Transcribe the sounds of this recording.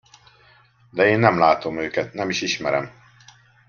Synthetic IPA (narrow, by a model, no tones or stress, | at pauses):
d̪ɛeːnːɛmlaːt̪o̞møːkɛt̪nɛmiʃiʃmɛɾɛ̰m